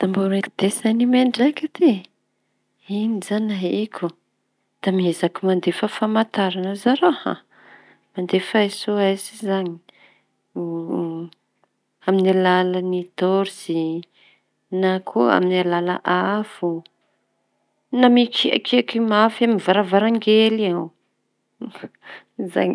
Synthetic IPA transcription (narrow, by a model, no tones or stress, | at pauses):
d̪̥amboɾeki̥d̪̥esanimeɳɖ͡ʐakat̪e | inizanaɦikʲʰu | d̪̥amiezakimand̪efəfamat̪aɾanazaɾoha̰ | mand̪efaesoajzizaɲi̥ | aminalalanid̪oɾzi | nakʰoa̰minalala̰ʔafu | namikia̰kiakimafaminvaɾavaɾaŋɡeliaw | za̰ɲi